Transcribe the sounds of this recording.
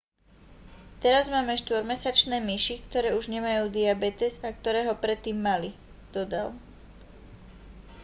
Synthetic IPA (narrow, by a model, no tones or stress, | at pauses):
t̪ɛɾazmaːmɛʃt̪ʋɔɾmɛsat͡ʃnɛːmiʃikt̪ɔɾɛːuʒɲɛmajuːd̪iabɛt̪ɛzak̚t̪ɔɾɛːɦɔpɾɛt̪ːiːmːali | d̪̥ɔd̪al